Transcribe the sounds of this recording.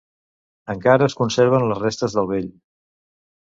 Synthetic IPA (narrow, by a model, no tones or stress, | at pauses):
əŋkaɾəːskunseɾβ̞ənləzrest̪əzðəlˠβeʎ